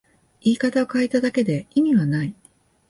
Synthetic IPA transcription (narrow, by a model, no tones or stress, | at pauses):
iːkat̪ao̞kaet̪ad̪ake̞d̪e̞imʲiβanai